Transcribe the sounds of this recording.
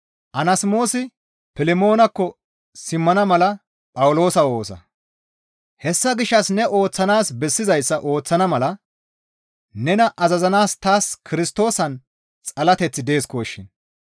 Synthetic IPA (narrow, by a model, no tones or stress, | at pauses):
ʔɐnɐsmo̞ːsɪ | pɪlɪmo̞ːnɐkːɔ | sɪmːɐnɐmɐlɐ | pʼɐwlo̞ːsɐo̞ːsɐ̰ | hɛsːɐɡɪʃːɐsnɛʔo̞ːt͡sːɐnaːsbɛsːɪzɐjsːɐʔo̞ːt͡sːɐnɐmɐlɐ | nɛnɐʔɐzɐzɐnaːst̪aːskʰɪɾɪst̪o̞ːsɐn | t͡sʼɐlɐt̪ɛt͡sːɪd̪e̞ːskoːʃːɪn